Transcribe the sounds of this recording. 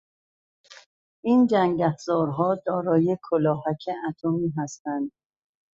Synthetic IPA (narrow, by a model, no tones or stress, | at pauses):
ʔind͡ʒæŋɟæfzɒːɾɦɒːd̪ɒːɾɒːjekʰolɒːɦækʰeʔæt̪ʰomiːɦæst̪ænd̪